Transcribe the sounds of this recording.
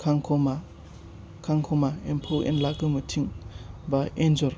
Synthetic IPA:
kʰaŋkʰɔma | kʰaŋkʰɔmaempʰowʔḛnlaɡɯmɯtʰiŋbaenzɔɾ

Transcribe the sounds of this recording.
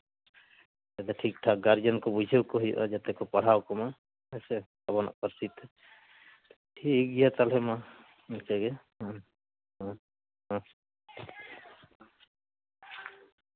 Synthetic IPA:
t̪ɛt̪ɛʈʰik̚ʈʰaɡaɾd͡ʒɔnkɔbud͡ʒʱewkɔɦuj̰ʔa̰d͡ʒat̪ɛkɔpaɽ̤awkɔma | ɛsɛ | abɔna̰ʔpəɾsit̪ | ʈʰik̚ɡijat̪alɦɛma | nkɛɡɛ | ɦ

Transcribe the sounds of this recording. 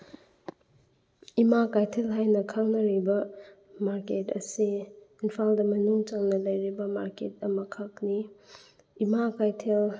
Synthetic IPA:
imakajtʰelɦajnɐkʰaŋnɐɾibɐ | maɾketɐ̰siinpʰaldɐmɐnuŋt͡ʃaŋnɐlɐjɾibɐmaɾket̚ɐmɐkʰak̚niː | makajtʰel

